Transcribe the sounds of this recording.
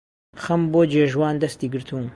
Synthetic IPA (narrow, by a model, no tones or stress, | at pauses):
xɐmboːd͡ʒeːʒwaːnd̪ɐst̪iːɡɨɾt̪ʰuːn